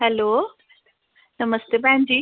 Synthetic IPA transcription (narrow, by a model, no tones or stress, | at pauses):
ɦɛloː | nɐməst̪epɛ̃ɦɪ̃ɲd͡ʑiː